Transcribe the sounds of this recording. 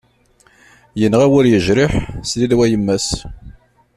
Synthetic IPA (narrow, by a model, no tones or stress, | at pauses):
jənːʁæwʊɾjəʒɾɪħsliðwæjəmːæs